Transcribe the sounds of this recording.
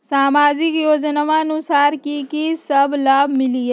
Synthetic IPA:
saːmaːd͡ʒɪkjoːd͡ʒnamaənʊsaːɾkikisɐblaːbʱmɪlie

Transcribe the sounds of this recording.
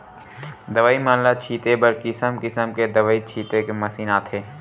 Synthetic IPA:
d̪ɐʋaːimaːllat͡ʃʰiːt̪ebɐɾkɪsəmkɪsəmked̪ɐʋaːit͡ʃʰiːt̪ekemɐsiːnaːt̪ʰeː

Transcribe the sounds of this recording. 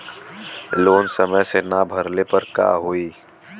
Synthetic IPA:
loːnsəməjsenabʱɐɾnepɐɾka̰ːɦoiː

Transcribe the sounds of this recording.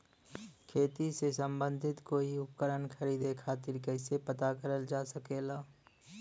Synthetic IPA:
kʰeːt̪isesə̃mbə̃nd̪ʱɪt̪koːiʊp̚kəɾənkʰəɾiːd̪ekʰaːt̪ɪɾkəɪsepət̪akəɾəld͡ʒaːsəkeːlaː

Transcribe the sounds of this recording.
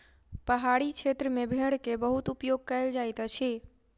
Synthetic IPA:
pəɦaɽikʰet̪ɾəmẽbʱeɽkebəɦut̪upjoɡ̚kəjld͡ʒajt̪ət͡ʃʰe

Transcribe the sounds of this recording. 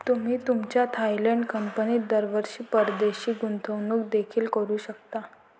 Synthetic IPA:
t̪um̤iːt̪umt͡ɕjat̪ʰajleɳɖkəmpəniːd̪əɾʋəɾɕiːpəɾd̪eɕiːɡunt̪ʰəʋnuːkd̪ekʰiːlkəɾuːɕək̚t̪a

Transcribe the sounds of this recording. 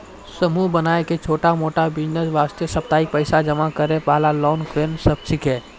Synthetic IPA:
səmubənaːeket͡ʃʰoːʈamoːʈabiːnəzʋaːst̪jəsɐp̚t̪aːikpəɪsad͡ʒɐmakəɾẽpaːlalɔːnkɾeːnsɐb̚t͡ʃʰɪkɦɛː

